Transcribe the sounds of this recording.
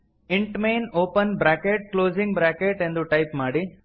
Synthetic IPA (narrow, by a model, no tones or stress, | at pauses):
iɳʈmeːnoːpɐnbɾaːkeʈ̚kloːzĩŋɡbɾaːkeʈend̪uʈɐjpmaːɽi